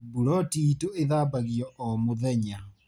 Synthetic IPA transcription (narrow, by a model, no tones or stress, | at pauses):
buɾɔtitoeðaːbaɣiɔʔɔmoðɛɲa